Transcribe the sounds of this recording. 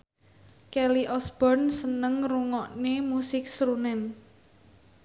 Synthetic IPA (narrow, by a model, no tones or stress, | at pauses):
kɛliʔɔsb̥ɔrnsənəŋruŋɔʔnemusɪk̚sɾunɛn